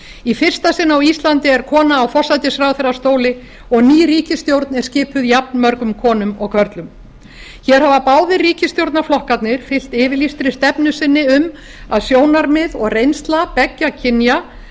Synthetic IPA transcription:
ifɪr̥st̪asɪnːaawist̪lant̪ɪɛɾkʰɔːnaːwfɔ̥sat̪ɪsfɾawθɛrast̪oːwlɪ | ɔɣniːriːcɪst̪jowɾt̪nɛɾ̥scɪːpʏðjap̚nmœɾkʏmkʰɔːnʏmɔɣkʰvœɾt̪lʏm | çɛɾ̥havapaːwðɪriːcɪst̪jowɾt̪naflɔhkat̪nɪɾ̥fɪl̥t̪ɪːvɪɾlist̪ɾɪst̪ɛpnʏsɪnːɪʏm | aðsjoːwnaɾmɪðɔɣrejnst̪lapɛcːacʰɪnja

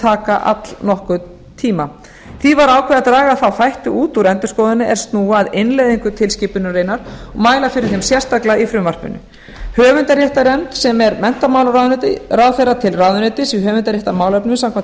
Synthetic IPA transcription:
t̪ʰaːkaʔa̰t̪l̥nɔhkʏ | t̪ʰiːma | θivaɾaːwkʰvɛðat̪ɾaːɣaːθawfajht̪ʏʔuːt̪uɾɛnt̪ʏskɔːwðʏnɪʔɛɾ̥st̪nuːaːðɪnlejðiŋkʏt̪ʰɪlsciːpʏnʏreːjnaɾ̥ɔɣmaːjlafɪɾɪɾ̥θejmsjɛr̥st̪aklaifɾʏmvar̥pʏ̰nːʏ̰ | hœːvʏnt̪aɾjɛht̪aɾɛmt̪sɛmɛɾmɛn̥t̪amaːwlaɾawðʏnʏːt̪ɪrawθejrːat̪ʰɪlraðʏnɪːt̪ɪsiɦœːvʏnt̪aɾjɛht̪amaːwlœpnʏsamkʰva

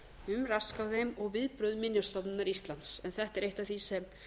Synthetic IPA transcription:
ʏmraskawðejmɔɣvɪðpɾʏðmɪnjast̪ɔwpnɪnaɾist̪lant̪sɛnθɛht̪ɛɾejht̪aθvisɛm

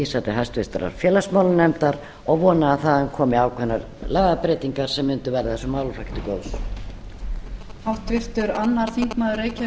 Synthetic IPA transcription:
isat̪ɪɦast̪vɪst̪aɾa̰ɾ̥fjɛːlasmaːwlʏnɛmt̪aɾ | ɔɣvɔːnaːθaðankʰɔːmɪaːwkʰvɛnːaɾ | laɣaapɾeːt̪iŋkaɾ̥sɛmːʏnt̪ʏvɛɾðaθɛsʏmːaːwlʏflakʰɪ̥nt̪ʏkoːws | hawht̪vɪr̥t̪ʏɾanːaɾ̥θiŋ̥kmaːðʏɾeːjca

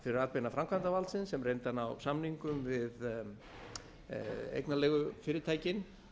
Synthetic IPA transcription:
fɪɾɪɾaðpɪnafɾamkʰvant̪avalsɪnsɛmrejnt̪anawsamniŋkʏmvɪð | ḛjknalɛːɣʏfɪːɾɪt̪ʰaːjcɪn

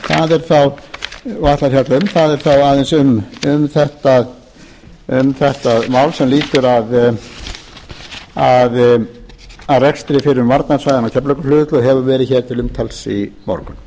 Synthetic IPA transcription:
θaðɛɾ̥θaw | aht̪laɾ̥çaɾt̪aʏmθaðɛɾ̥θawaðɛnsʏmʏmθɛht̪að | ʏmθɛht̪aðmaːwlsɛmliːt̪ʏɾað | að | aðrɛkst̪ɪɾɪfɪːɾɪɾʏmvaɾt̪nḁsvajðanawt̪ʰɛplœkʏlʏːðʏt̪lʏɦɛvʏvɛːɾɪðçɛɾ̥t̪ʰɪlʏmt̪ʰalsimɔ̰ɾkʏn

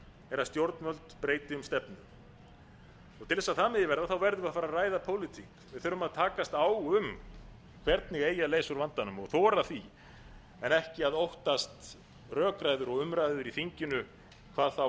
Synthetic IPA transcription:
ɛɾast̪jowɾt̪nmœlt̪pɾeːjt̪ɪʏmst̪ɛpnʏ | ɔt̪ʰɪlðɛsaðθamɪðɪvɛɾðaθawvɛɾðʏvaðfaːɾaraːjðapʰowlɪt̪ʰikvɪðθœɾʏmaðt̪ʰaːkast̪aːwʏm | kʰvɛɾt̪nɪɣeːjaleːjsʏɾvant̪anʏmɔɣθɔwɾaθi | ɛnɛhcɪaðowht̪ast̪ | rœːkɾajðʏɾɔɣʏmɾajðʏɾiθiɲcɪnʏ | kʰvaːðθaw

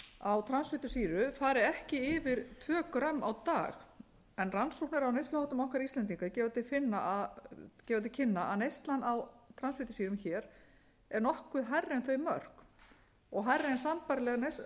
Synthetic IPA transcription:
awt̪ʰɾansfɪt̪ʏsiːɾʏfaːɾɪɛhcɪɪvɪɾ̥t̪ʰvœːkɾɛmːa̰wt̪a̰ːx | ɛnransowk̚nɪɾawnejst̪lahawht̪ʏmɔhkaɾist̪lɛnt̪iŋkacɛːvat̪ɪfɪnːaʔacɛːvat̪ɪcʰɪnːaʔːnejst̪lanːawt̪ʰɾansfɪt̪ʏ̥siːɾʏmçɛːɾ | ɛɾnɔhkvʏðɦarːɪɛnθejmœ̰r̥k | ɔɣɦarːɪɛnsampaɾlɛɣne

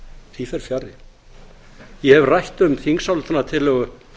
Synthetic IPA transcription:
θifɛɾ̥fjarɪ | jɛhɛvrajht̪ʏmθiŋsawlt̪θanːat̪ʰɪlːɛɣʏ

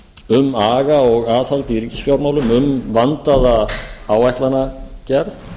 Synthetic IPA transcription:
ʏmaːɣaɔɣaːðθhalt̪ɪɾicɪ̥sfjawɾmaːwlʏmʏmvant̪aðaaːwajht̪lanacɛɾð

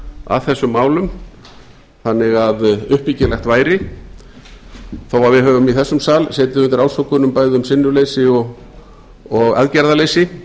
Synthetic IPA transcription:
a̰ðθɛsːʏmːaːwlʏm | θanːɪɣaðʏhpicɪlɛxt̪vaːjɾɪ | θawvaɾvɪðɦœːvʏmiθɛsːʏmsaːlseːt̪ɪðʏnt̪ɪɾawsɔkʏnʏmpaːjðʏmsɪnːʏlejsɪɔɣ | ɔɣa̰ðcɛɾðalejsɪ

